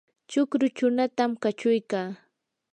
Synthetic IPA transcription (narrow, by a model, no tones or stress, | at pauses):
t͡ʃʊkɾʊt͡ʃʊnat̪amkat͡ʃʊjkaː